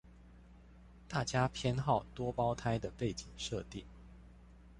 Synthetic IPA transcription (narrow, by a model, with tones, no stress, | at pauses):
t̪a˥˩t͡ɕja˥pʰjɛ˥nxɑ˥˩ʊt̪wɔ˥pɑ˥ʊt̪ʰa˥ɪd̪ə˨pe˥˩ɪt͡ɕi˨˩ŋʂɤ˥˧t̪i˥˩